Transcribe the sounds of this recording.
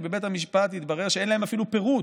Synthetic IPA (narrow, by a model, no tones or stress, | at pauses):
bebe̞thamiʃpat̪it̪baʁe̞ʁʃeenlae̞mafilupe̞ʁut